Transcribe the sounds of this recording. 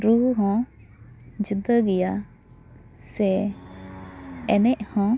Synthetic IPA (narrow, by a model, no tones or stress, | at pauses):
ɾuɦɔ̃ | d͡ʒud̪əɡɛja | sɛ | ɛnɛʔhɔ̃